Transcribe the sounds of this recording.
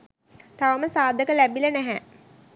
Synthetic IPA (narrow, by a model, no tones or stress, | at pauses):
t̪aʋəməsaːd̪ʱəkəlæbilənæɦæ